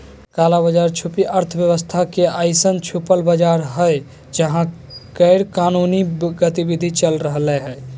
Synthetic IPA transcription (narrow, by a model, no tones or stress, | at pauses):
kalabəd͡ʒaɾt͡ʃʰupiʔəɾt̪ʰəbjəwəst̪ʰakeaɪsənt͡ʃʰupəlbəd͡ʒaɾɦəj | d͡ʒəɦãkəɪɾkanuniɡət̪ibid̪ʱit͡ʃəlɾəɦleɦəj